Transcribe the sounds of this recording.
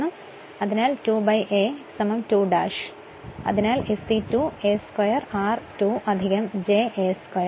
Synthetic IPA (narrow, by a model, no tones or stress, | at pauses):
ɳum | ɐðinaːltuːbɐjʔeːsɐmɐmtuːɖa̰ːʂ | ɐ̰ðinaːlesitueskwɐjɐraːrtuːʔɐd̪ʱiɣɐmd͡ʑeːʔeːskɐjɐ